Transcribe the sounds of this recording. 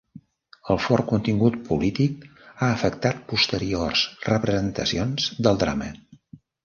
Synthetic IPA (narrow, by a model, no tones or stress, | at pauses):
əlˠfɔrkunt̪iŋɡut̪̚pulit̪ik̚aəfəkt̪at̪̚pust̪əɾiorsrəpɾəzənt̪əsionzd̪əlˠd̪ɾa̰mə